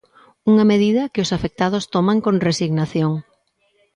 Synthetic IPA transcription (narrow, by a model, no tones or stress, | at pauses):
uŋɐmeð̞iðɐkɪosafek̚t̪aðʊst̪omaŋkõnresiɣnaθjoŋ